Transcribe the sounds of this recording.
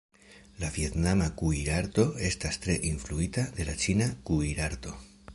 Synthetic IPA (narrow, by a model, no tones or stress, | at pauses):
lavje̞tnamakuiɾaɾto̞e̞stastɾe̞ʔinfluitad̪e̞lat͡ʃinakuiɾaɾt̪o̞